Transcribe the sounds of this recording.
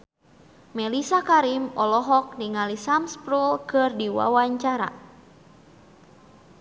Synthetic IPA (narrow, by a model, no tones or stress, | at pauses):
mɛlisakaɾimɔlɔɦɔk̚niŋalisamspɾulkɨrdiwa̰waɲt͡ʃaɾa̰